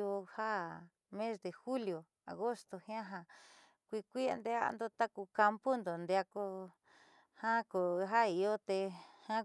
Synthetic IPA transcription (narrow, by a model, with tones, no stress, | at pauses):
o˧ha˦ | mẽ˦sd̪e˧xu˦ljo˨ | a̰˨ɣo˦st̪o˨hj̃ã˦ɦã˧ | kʷi˧kʷi˦a̰˧nd̪e˧a˦a̰˧nd̪o˧t̪a˦ku˧ka˧mpo˦nd̪o˨nd̪e˧a˧ko˧ | hã˦ko˨˧ɦa˦i˧o˦t̪e˧hã˦